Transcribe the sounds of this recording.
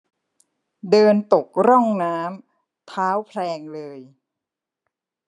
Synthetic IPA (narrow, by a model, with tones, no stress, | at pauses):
dɤː˧nt̪o˨˩k̚ɾɔ˥˩ŋnaː˦˥m | t̪ʰaː˦˥wpʰlɛː˧ŋlɤː˧j